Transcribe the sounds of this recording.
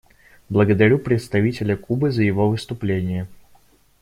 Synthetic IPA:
blˠəɡəd̪ɐɾʲupɾʲɪt̪st̪ɐvʲitʲɪlʲəkubɨzəjɪvo̞vɨst̪ʊplʲenʲɪjə

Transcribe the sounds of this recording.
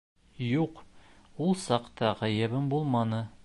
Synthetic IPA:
juqulˠsɑqt̪ɑʁæjɘbɘmbulˠmɑnɤ

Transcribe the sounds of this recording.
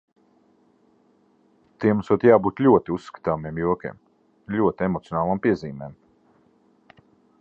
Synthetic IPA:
t̪iɛmusut̪jaːbuːt̪lʲuɔt̪iussːkḁt̪aːmiɛmjuɔkʲḭɛm | lʲuɔt̪iemɔt̪sjɔnaːlˠampiɛziːmɛːm

